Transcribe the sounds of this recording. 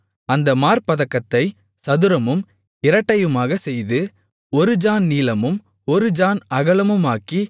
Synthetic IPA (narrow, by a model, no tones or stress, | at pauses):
ɐnd̪ɐmaːɾpɐðɐkːɐt̪ːɐɪ | sɐðɯɾɐmɯm | ɪɾɐʈːɐjɯmaːɣɐsɛjðɯ | ɔɾɯd͡ʒaːnniːlɐmɯm | ɔɾɯd͡ʒaːnɐɣɐlɐmɯmaːki